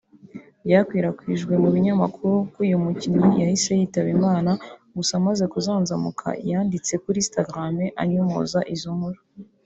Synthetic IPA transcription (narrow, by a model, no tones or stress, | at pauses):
bjaːkwiːɾakwiʒɡwe̞muβiɲamakʰuɾukuːjumuciɲojahise̞jiːtaβimaːnaɡusamaze̞kuzaːnzamukʰa̰ijaːndit͡se̞kuɾiːstaɡɾameʔaɲumo̰ːzaʔizomuɾo